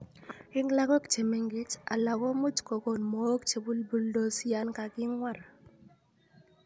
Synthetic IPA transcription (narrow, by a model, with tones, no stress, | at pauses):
ɪ˦ŋla˦kɔ˦kt͡ʃe˨me˨ŋɡɪ˦t͡ʃa̰˨la˨ɡɔ˦mu˦tko˨ko˨nmɔ˨˦kt͡ʃe˨bu˦lbu˦ldo˦sja˦nka˨kɪ˦ŋwa˦˨ɾa˨